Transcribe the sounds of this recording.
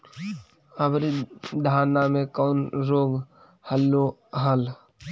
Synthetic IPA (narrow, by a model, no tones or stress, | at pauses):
əbɾid̪ʱaːnamẽkɔːnɾoːɡ | həlːoɦəl